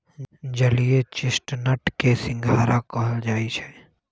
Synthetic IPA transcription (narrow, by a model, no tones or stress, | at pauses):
d͡ʒəliet͡ʃɪsʈnəʈkesɪ̃ŋɡʱaːɾakəɦəld͡ʒaːit͡ʃʰɛ